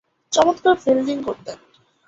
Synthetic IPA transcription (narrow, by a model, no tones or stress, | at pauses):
t͡ɕɔmot̪kaɾfilɖiŋkoɾt̪en